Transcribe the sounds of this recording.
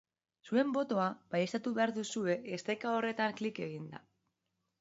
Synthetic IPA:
sue̞mbo̞t̪o̞abajest̪at̪uβe̞aɾðusue̞ːst̪ajkao̞re̞t̪aŋklike̞ɣind̪a̰

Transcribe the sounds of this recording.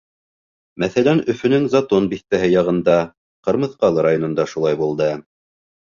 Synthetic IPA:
mæθælænɵ̆fɵ̆nɘŋzat̪onbiθt̪æɦɘjɑʁɤ̆nd̪ɑ | qɤ̆ɾmɤ̆θqɑlˠɤɾajonŏnd̪ɑʃulˠɑjbulˠd̪ɤ

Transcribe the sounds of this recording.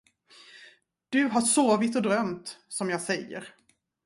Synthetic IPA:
d̪̥ɵɦaʂoːvɪt̪ɔd̪ɾœmt̪sɔmjɑːɡsɛjːə̰ɾ

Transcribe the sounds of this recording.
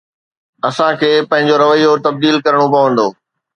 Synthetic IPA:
ɐsãkʰeːpɐ̃ɦɪ̃ɲ̆d͡ʑoɾɐʋəiot̪ɐb̚d̪iːlkɐɾəɽ̃opɐʋə̃nd̪oː

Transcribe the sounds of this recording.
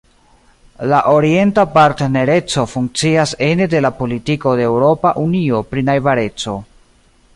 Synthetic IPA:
laʔo̞ɾie̞ntapaɾtene̞ɾe̞t͡so̞fuŋk̚t͡siase̞nede̞lapo̞litiko̞deeːwɾo̞paʔunio̞pɾinajvaɾe̞t͡so̞

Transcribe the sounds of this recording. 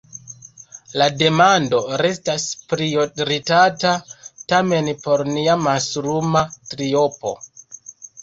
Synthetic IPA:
lade̞mando̞ɾe̞staspɾioɾitatatame̞npo̞ɾniamasɾumatɾio̞po̞̰

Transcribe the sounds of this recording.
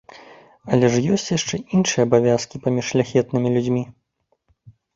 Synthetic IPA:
ɐlʲɛʂjɔsʲt͡sʲjaʂt͡ʂɛʔinʂɨjɐbavʲaskʲipamʲiʂlʲaxʲɛt̪nɨmʲilʲud͡zʲmʲi

